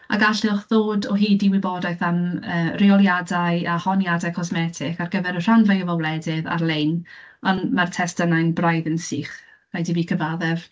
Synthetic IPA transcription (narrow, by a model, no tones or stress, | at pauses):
a̰ɡaɬɪlχðoːdɔɦiːdiwɪbɔdajθanəːrɪɔlˠjadajahɔnjadajkʰɔsmɛtʰɪkarɡəvɛɾər̥anvajəvawlɛdɪða̰rlejn | anmartʰɛstənajnbrajðənsiːχ | rajdiviːkʰəvaðɛv